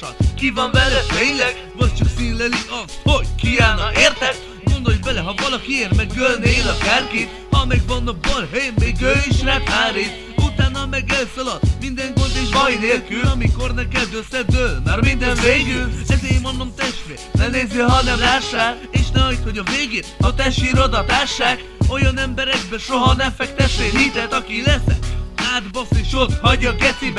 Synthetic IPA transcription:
ɒkivɒnbɛlɛt̪eːɲlɛɡ | vɒc̚t͡ʃɒksinlɛliʔɒst̪hoɟ̥kiaːlnɒeːrt̪ɛk | ɡo̞nd̪o̞ljbɛlɛɦɒvɒlɒkieːrmɛɡɡølneːlɒkaːrkit̪ | hɒmɛɡvɒnːɒkbolɦɛjɛmmeːɡøiʃnɛaːɾeːs | ut̪aːnːɒlmɛɡɛlsɒlɒt̪ːmind̪ɛŋkort̪iʃbɔjneːlkyɒmiko̞rnɛkɛd̪øsɛd̪ølmaɾmind̪ɛnveːɡylɛzeːjmonːomt̪ɛʃt̪ʋḛːrt̪nɛneːziɦɒnɛmlaːʃːaːl | eːʃnɛɒit̪ho̞ɟɒveːɡet̪ɒt̪ɛʃiɾod̪ɒt̪aːʃːaːk | o̞jɒnɛmbɛɾɛɡ̚bɛʃo̞ɦɒnɛmfɛkt̪ɛt̪ːeːɦit̪ɛt̪ɒkilɛsɛ̰kaːd̪bɒseʃot̪hɒɟːɒɡɛt̪ibɛ

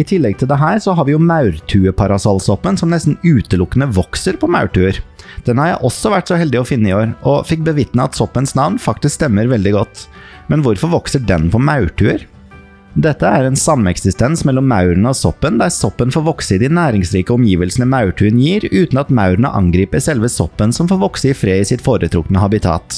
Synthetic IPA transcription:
ɪt̪ʰɪlːɛɡ̚t̪ʰɪld̪ɛɦæːɾsɔɦɑɾʋɪjʊmɑʉɾt̪ʰʉːəpʰɑɾɑsɑlsɔpːənsɔmnɛst̪n̩ʉːt̪əlʊkːənəʋɔksəɾpʰɔmɑ̰ʉʈʉːəɾd̪̥ɛnhɑɾjæɪʔɔsɔʋæʈːsɔhɛld̪ɪɔfɪnːəɪoːɾɔfɪk̚bəʋɪt̪nəɑt̪sɔpːənsnɑʋnfɑk̚t̪ɪskst̪ɛmːəɾʋɛld̪ɪɡɔt̪ː | mɛnʋʊɾfɔɾʋɔksəɖɛnpʰɔmɑʉɾʈʰʉːəɾ | d̪ɛt̪ːəæɾɛnsɑmːɛksɪst̪ɛnsmɛlːɔmːɑʉɾəɳəɔsɔpːənd̪æɾsɔpːənfoːɾʋɔksəɪd̪ɪnæːɾɪŋsɾiːkəɔmjiːʋəlsənəmɑʉʈʰʉːənjiːɾʉːt̪n̩ɑt̪mɑʉɾəɳə̰ʔɑ̰ŋɡɾiːpəɾsɛlʋəsɔpːənsɔmfoːɾʋɔksəɪfɾeːɪsɪt̪foːɾət̪ʰɾʊkənəhɑbɪt̪ʰɑ̰ːt̪

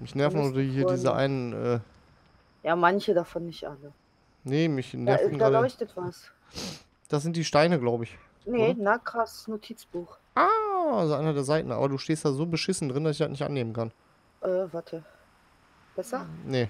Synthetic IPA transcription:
mɪçnɛɐfn̩ʔoːdɐhiːɐdiːzəʔa̰ɪnənʔɛ̰ː | jaːmançədafɔnːɪçtʔalə | nəmɪçnɛɐfn̩aallɔʏçtətv̥as | d̥as̬z̥ɪnt̚d̥iːʃtaɪnəɡlaʊbəɪç | nənakʁ̥asnotʰiːt͡sb̥uːx | ʔaːʔazoʔaɪnɐdeːɐzaɪtn̩ʔa̰ːbɐduːʃteːstd̥aːzoːbəʃɪsn̩dʁɪndasɪçd̥atnɪçtʔa̰nːeːmənkan | ʔɛːvaɐtʰə | b̥ɛsɐnə

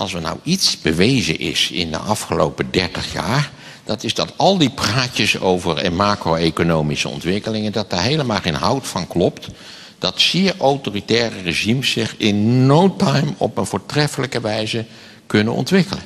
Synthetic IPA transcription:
ʔɑlˠsʋənɑ̰witsbəʋejzəʔɪ̰sɪ̰ndə̰ʔɑfχəlo̰wpədɛɹtəχja̰ːɹ | d̥ɑtɪzdɑtɑlˠdipraːcəso̰wvəɹmaːkrowekonowmisə̰ɔ̰ntʋɪkəlɪŋəndɑt̚daːɹɦejləmaːlˠχejnɦɑwtfɑnklɔpt | d̥ɑtsɪːɹʔawtoːritɛːrəreʒimsːɪχɪnːowtɑjmɔ̰pənvʊːɹtrɛfələkəʋɛjzə | kɵnənɔ̰ntʋɪkələ̰

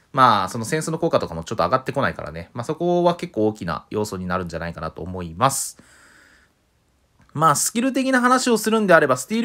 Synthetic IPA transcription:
maːso̞no̞sẽ̞sɨno̞ko̞ːkat̪o̞kamo̞t͡ɕo̞t̪ːoaɡat̪ːe̞ko̞naika̰ɾa̰ne̞maːso̞ko̞βake̞kːo̞ːkʲina̰jʔo̞ːso̞ɲ̟inaɾɯ̟̃ɲ̟d͡ʑanaikanat̪o̞̰ːmo̞imasɨ̥ | maːsɨ̥kʲiɾɯ̟t̪̬e̞kʲinaɦanaɕio̞sɨɾɯ̟̃nd̪e̞aɾe̞basɨ̥t̪ʲiːɾ

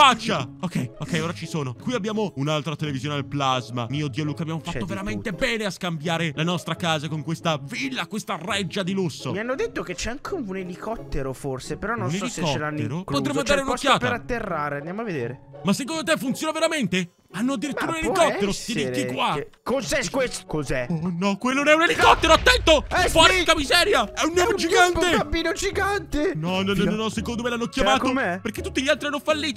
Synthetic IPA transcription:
fat͡ʃːaokʰːɛjokːɛjoːɾat͡ʃisoːnokwiabjaːmounalt̪ɾat̪elevizjoːned̪elplazma̰miːod̪ːiːoluːkabːjamofat̪ːoveɾament̪ebɛːneaskambjaːɾelanɔst̪ɾakaːzakoŋkwest̪avilːakwest̪arɛd͡ʒːad̪ilusːo̰mianːod̪et̪ːoket͡ʃːɛaŋkʰeunelikɔt̪ːeɾoforsepeɾɔnonuneslisɔt͡ʃːelanːeɾokpot̪ɾemoand̪aːɾeunokːjaːt̪peɾat̪ːerːaːɾeand̪jamoaved̪eːɾemasːek̬ond̪ot̪̬efːunt̪sjoːnaveɾament̪e | anːoad̪ːiɾit̪ːuːɾaunelikɔt̪ːeɾosieɾkːikːwakozɛkweskozɛonɔkwelːonnɛunelikkɔt̪ːeɾoat̪ːɛnt̪ofaɾkamizɛːɾjaɛunːoːmd͡ʒiant̪eampːiːnod͡ʒiɡant̪enɔnɔnɔɔnːɔsekond̪omelanːokjamaːtk̪ompeɾk̟et̪ːut̪ːiʎialt̪ɾianːofalːiːt̪o

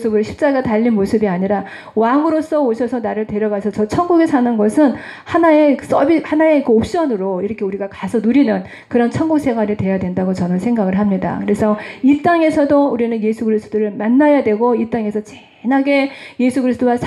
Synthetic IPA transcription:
sʰɯbɯɭɕʰi̥p̚t͡ɕ͈aɡataʎːinmosʰɯbiaɲiɾa | waŋɯɾos͈ʌoɕʰʌsʰʌnaɾɯɭtwe̞ɾjʌɡasʰʌt͡ɕʌt͡ɕʰʌnɡuɡesʰanɯnɡʌsʰɯnhanae̞s͈ʌbihanaekɯop̚ɕ͈ʌnɯɾoiɾʌkʰe̞uɾiɡakasʰʌnuɾinɯn | kɯɾʌnt͡ɕʰʌnɡuk̚s͈ʰe̞ŋwaɾitwe̞jadwe̞ndaɡot͡ɕʌnɯnsʰe̞ŋɡaɡɯɭɦamɲida̰kɯɾe̞sʰʌit͈aŋe̞sʰʌdouɾinɯnje̞sʰuɡɯɾist͈odɯɾɯɭmanːajadwe̞ɡoit͈aŋe̞sʰʌt͡ɕe | naɡe̞je̞sʰuɡɯɾisɯd͈owasʰ

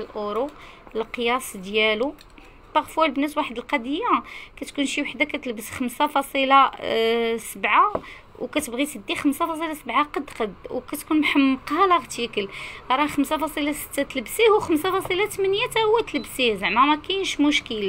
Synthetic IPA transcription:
lʔuɾuləqjæsˤd̪jælu | bɑɣfwælbənæswaħəd̪əlqɑd̪əjːakæt̪kunʃiwaħd̪akæt̪lbəsxəmsafɑsˤila | səbʕa | wkæt̪əbɣit̪əd̪ːixəmsafɑsˤilasəbʕaqɑd̪qɑd̪wkæt̪kunmħəmːəqhɑlɑɣt̪ikəlɾˤɑxəmsafɑsˤilasə̥t̪ːæt̪ləbsihuxəmsafɑsˤilat̪əmænjat̪æwːæt̪ələbsizəʕmæmækænʃmʊʃkəla

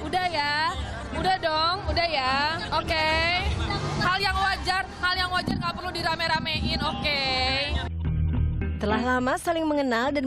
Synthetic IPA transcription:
udahja | udahdɔŋudahjaoke | haljaŋwad͡ʒarhaljaŋwad͡ʒarŋapərludiɾameɾameʔɪnoke | t̪əlaɦlamasalɪŋməŋənaldan

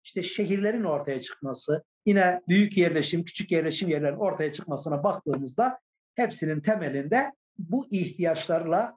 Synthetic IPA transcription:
iʃt̪ɛʃeɦiɾlʲeɾino̞ɾt̪ʰajat͡ʃʰɯ̥kmasɯ | jinɛbyjycjɛɾlʲɛʃimcʰy̥t͡ʃʰycjɛɾlʲɛʃimjɛɾlʲeɾino̞ɾt̪ʰajat͡ʃʰɯk̚masɯnabakt̪ʰɯːmɯzd̪a | hɛpsinint̪ʰɛmɛlʲind̪ɛ | buʔiht̪ʰijat͡ʃlˠaɾɯlˠa

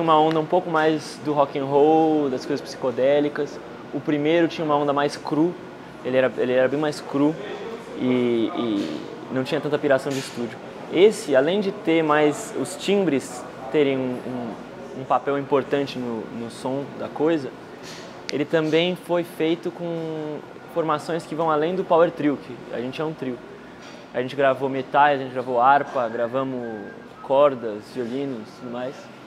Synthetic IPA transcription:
t͡ʃĩũmɐõnd̪ɐũpowkʊmajzd̪ʊɦɔkĩɦowd̪ɐskojzɐspsi̥kod̪ɛlikɐs | ʊpɾimejɾʊt͡ʃĩɲɐ̃ũmɐõnd̪ɐmajskɾu | elɪɛɾɐelɪɛɾɐbẽj̃majskɾu | ɪɪ | nɐ̃w̃t͡ʃĩɲɐt̪ɐ̃nt̪ɐpiɾasɐ̃w̃d͡ʒɪist̪ud͡ʒʊ | esɪalẽj̃d͡ʒɪt̪eɾmajsʊst͡ʃĩbɾɪs | t̪eɾẽj̃ũũ | ũpapɛwĩpoɾt̪ɐ̃nt͡ʃɪnʊnʊsõd̪ɐkojzɐ | elɪt̪ɐ̃mbẽj̃fojfejt̪ʊkõ | foɾmasõj̃skɪvɐ̃w̃alẽj̃d̪ʊpaweɾt̪ɾiwkɪa̰ʒẽnt͡ʃɪɛũt̪ɾiw | a̰ʒẽnt͡ʃɪɡɾavomet̪alɪzɐʒẽnt͡ʃɪɡɾavowaɾpɐɡɾavɐ̃mʊ | kʰɔɾd̪ɐzviolĩnʊt̪ud̪ʊmajs

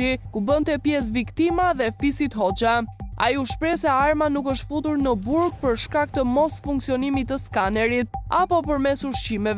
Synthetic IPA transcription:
ikubənt̪ɛpjɛs̬vikt̪imaðɛfisit̪ɦɔt͡ʃaa̰jiuʃpɾɛsɛaɾmanukəʃt̪fut̪uɾnəbuɾɡ̚pəɾʃkak̚t̪əmɔsfuŋksiɔnimit̪ːəskanɛɾit̪̚apɔpəɾmɛsuɾʃt͡ɕimɛv

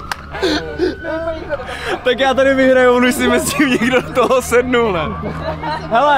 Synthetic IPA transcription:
t̪akjaːt̪aɾɪvɪɦɾajunujsimɛsimɲɛɡdot̪oɦosɛdnunɛ | ɦɛlo

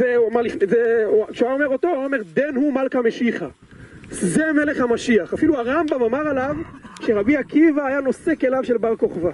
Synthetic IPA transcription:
zemalifnezeʃuaome̞ʁot̪o̞ome̞ʁd̪enhumalkame̞ʃiχa | zeme̞le̞χhamaʃiaχafiluaʁambamamaʁalavʃeʁabiakivaːjano̞sekelavʃe̞lbaʁko̞χva

